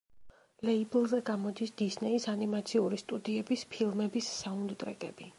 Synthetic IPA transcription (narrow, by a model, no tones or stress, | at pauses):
lɛiblˠzɛɡamɔd̪isd̪̥isnɛisanimat̪sʰiuɾist̪ʼud̪iɛbispʰilˠmɛbisːaund̪t̪ʼɾɛkʼɛ̰bi